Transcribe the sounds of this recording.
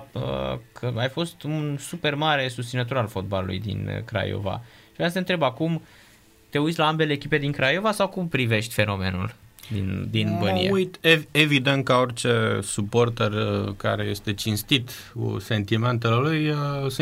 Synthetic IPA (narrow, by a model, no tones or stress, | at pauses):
ə̰kʰəajfo̞st̪unsupe̞rmaɾe̞sust̪sinət̪oɾalfo̞t̪̚balṵlṵjd̪ḭnkɾa̰jo̰va̰ʃivɾasəənt̪ɾebakum | t̪e̞utsʲlaambe̞le̞ːkʲipe̞d̪iŋkɾajo̞vasawkumpɾive̞ʃt̪ʲfe̞no̞me̞̰nṵld̪ḭnd̪inbənḭeujt̪eevid̪ent̪̚kao̞rʲt͡ʃesuport̪ərka̰ɾeje̞st̪e̞t͡ʃinst̪it̪ | ṵse̞nt̪iment̪elelujəs